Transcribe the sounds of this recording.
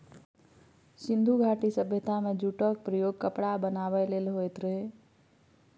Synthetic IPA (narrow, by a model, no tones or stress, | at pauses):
sind̪ʱuɡʱaʈisəbʱjət̪ʰamed͡ʒuʈək̚pɾəjoɡ̚kəpɽabənabɛlelɦojt̪ɾəɦe